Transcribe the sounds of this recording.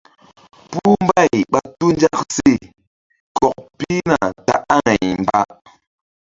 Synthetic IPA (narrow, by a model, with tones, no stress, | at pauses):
pu˦m˦ba˦˨jɓa˨tu˦n˦d͡ʒa˦k̚se˦˨ | kɔ˨k̚pi˦na˨ta̰˨ʔa˦ŋɛ˨jm̩˨ba˦